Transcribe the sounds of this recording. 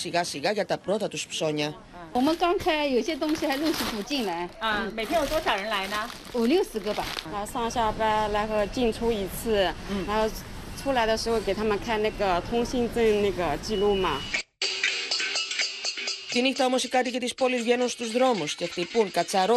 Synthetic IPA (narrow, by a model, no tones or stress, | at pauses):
siɣɐsiɣɐʝɐt̪ɐpɾo̞t̪ɐt̪uspso̞ɲɐ | wɔmənkɑŋt͡sʰajoʊiɕet̪̬ʊŋɕixaɪluɕiput͡ɕinlaɪmeɪt̪ʰjɛjot̪wɔɕɑʊɻənlaɪnə | uljoʊsɹ̩kəbɐaʂɑŋɕjɑpaɪlaɪxot͡ɕint͡sʰuit͡sʰɹ̩ɻaxoʊ | t͡sʰulaɪd̪əʂɻ̩xokeɪt̪ʰamənkʰanaɡət̪ʰʊŋɕint͡sənnaɡət͡ɕilumɐ | t̪inixt̪ɐomo̞sikɐt̪ice̞t̪ispo̞lizvʝe̞nunst̪uzðɾo̞musce̞xt̪ipuŋkɐt͡sɐɾo